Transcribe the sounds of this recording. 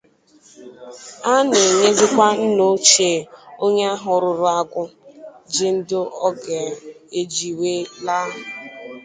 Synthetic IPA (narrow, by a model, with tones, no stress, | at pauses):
a˦nɪ˨ɲe˦zɪ˦kʷa˦n̩˦no˦t͡ʃe˨o˦ɲe˦a˦ɦʊ˨˦ɾʊ˨ɾʊ˦a˦ɡʷʊ˦d͡ʒɪ˦n̩˦dʊ˦ɔ˦ɡɛ˨ | e˦d͡ʒi˨weː˦la˦ɦʊ˨